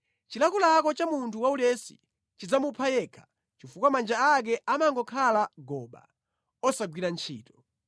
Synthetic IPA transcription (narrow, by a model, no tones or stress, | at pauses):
t͡ʃilakulakɔt͡ʃamuntʰuwaulɛsi̥̰ | t͡ʃid͡zamupʰajɛkʰḁ | t͡ʃifukwamand͡ʒaak̬ɛʔamaŋɡɔkʰalaɡɔːɓa̰ | ɔsaɡwiɾant͡ʃʰḭːtɔ̥